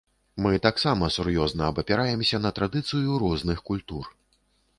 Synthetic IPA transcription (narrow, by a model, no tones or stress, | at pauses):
mɨt̪aksamɐsurjɔznɐːbɐpʲɛɾajɛmsʲɐnɐt̪ɾad̪ɨt̪sɨjuɾɔznɨxkulʲt̪ur